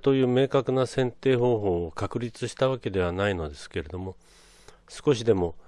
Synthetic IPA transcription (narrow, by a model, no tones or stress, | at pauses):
t̪o̞jɯ̟ːme̞ːkakɯ̟nasẽ̞nt̪e̞ːɦo̞ːɦo̞ːkakɯ̟ɾʲit͡sɨɕi̥t̪aβ̞ake̞d̪e̞β̞anaino̞d̪e̞sɨ̥ke̞ɾe̞d̪o̞mo̞ | sɨ̥ko̞ɕ̬id̪e̞mo̞